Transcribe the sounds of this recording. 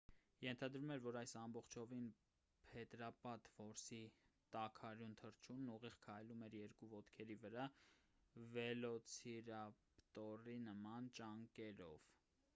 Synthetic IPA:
jɛnt̪ʰɑd̪ɾumɛɾvɔɾɑjsɑmbɔχt͡ʃʰɔvin | pʰɛt̪ɾɑpɑt̪vɔɾsit̪ɑkʰɑɾjunt̪ʰəɾt͡ʃʰunːuʁiʁkʰɑjlumɛɾjɛɾkuvɔt̪kʰɛɾivəɾɑ | vɛlɔt͡sʰiɾɑpt̪ɔrinəmɑnt͡ʃɑŋkɛɾɔ̰v̥

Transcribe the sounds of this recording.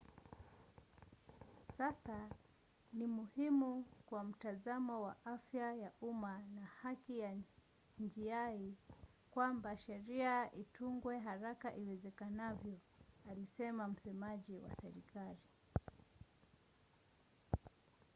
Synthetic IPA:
sasa | nimuhimukwam̩tazamɔwa̰ʔafjajaumanahakija | nd͡ʒiai | kwambaʃɛɾiaʔituŋɡwɛɦaɾakaʔiwɛzɛkanavjɔ | alisɛmam̩sɛmaʄiwa̰sɛɾikali

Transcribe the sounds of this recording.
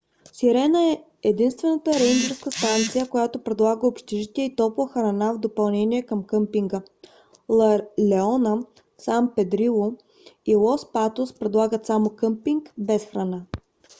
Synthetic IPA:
siɾɛnəɛ | ɛd̪inst̪vɛnət̪əɾɛjnd͡ʒɛɾfskəst̪ant̪sijəkojat̪opɾɛd̪lˠaɡəopʃt̪ɛʒit̪ʲɛəit̪ɔpləxɾɐnavd̪opɐlˠnɛniɛkɐmkəmpiŋɡə | lˠlɛɔnə | sampɛd̪ɾilˠo | ilˠɔspat̪ospɾɛd̪lˠaɡət̪samokəmpiŋkbɛsxɾɐna

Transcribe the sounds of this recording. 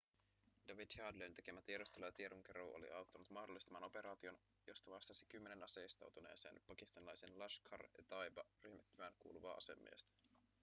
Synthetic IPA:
dɑʋidhɑːdlent̪e̞ke̞mæt̪ieɾust̪elɑjɑt̪ieɾoŋk̟eɾoʔo̰lḭʔɑwt̪ːɑnut̪mɑhdolːist̪ɑmɑːno̞pe̞ɾɑːt̪io̞n | jo̞st̪ɑʋɑst̪ɑsikymːenenɑseist̪ɑ̰wt̪une̞̰ːse̞̰ːnpɑkist̪ɑnilɑjsenlɑʃkʰɑ̰rɑ̰t̪ɑjbɑrymet̪ːyʋæːnkuːluʋɑːʔɑ̰se̞̰mːḭːst̪æ̥

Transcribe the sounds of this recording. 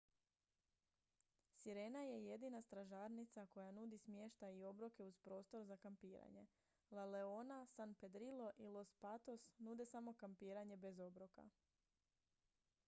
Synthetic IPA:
siɾe̞ːnaje̞je̞d̪inast̪ɾaʒaːɾnit̪sako̞januːd̪ismjeʃt̪aio̞bɾoke̞uzpɾo̞ːst̪o̞ɾzakampiːɾa̰ɲe̞ | laleonasanpe̞d̪ɾilˠo̞ʔilˠo̞spat̪o̞snuːd̪e̞samo̞kampiːɾaɲe̞be̞zo̞bɾoka̰

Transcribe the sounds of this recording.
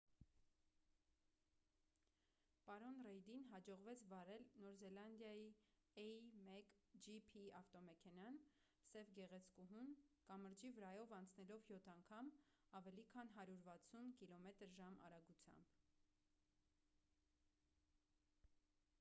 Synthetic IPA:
pɑɾɔnrɛjd̪inɦɑd͡ʒɔʁvɛt͡sʰvɑɾɛlnɔɾzɛlɑnd̪jɑji | ɛmɛkd͡ʒipʰiɑft̪ɔmɛkʰɛnɑn | sɛvɡɛʁɛt͡sʰkuɦunkɑməɾd͡ʒivəɾɑjɔvɑnt͡sʰnɛlɔvjɔt̪ʰɑŋkʰɑm | ɑvɛlikʰɑnɦɑɾjuɾvɑt͡sʰunkilɔmɛt̪əɾʒɑmɑ̰ɾɑɡut͡sʰjɑ̰mb̥

